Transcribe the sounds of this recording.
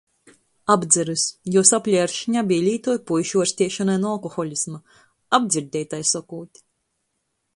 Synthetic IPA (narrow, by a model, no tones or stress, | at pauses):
abd̪zɛɾɨsjɔsaplʲɛjaɾʃiɲabʲijlʲiːt̪ɔjpujʃuɔɾsʲt̪ʲiɛʃanajnualˠkɔxɔlʲisma | abd̪zʲiɾd̪ʲɛjt̪ajsɔkuːt̪ʲi̥